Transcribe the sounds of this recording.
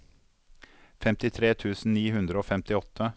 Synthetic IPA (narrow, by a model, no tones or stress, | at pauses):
fɛmt̪ɪt̪ʰɾeːt̪ʰʉːsn̩niːɦʉnd̪ɾəoːfɛmt̪ɪɔt̪ʰːə